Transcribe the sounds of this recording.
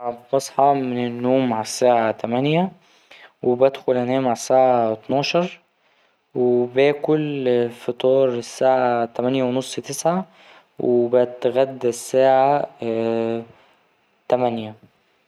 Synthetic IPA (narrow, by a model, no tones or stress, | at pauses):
bbɑsˤħɑmenenːoːmːaʕsːaːʕat̪æmænjæ | webæd̪xolʔænæːmaʕasːaːʕaet̪nɑːʃɑɾˤ | webæːkolfit̪ˤɑːɾˤesːaːʕat̪æmænjæwenosˤːt̪esʕa | wʔebæt̪ɣæd̪ːsːæːʕa | t̪æmænjæ